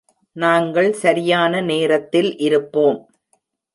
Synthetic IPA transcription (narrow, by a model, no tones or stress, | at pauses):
naːŋɡɐɭsɐɾɪjaːnɐneːɾɐt̪ːɪlʔɪɾɯpːoːm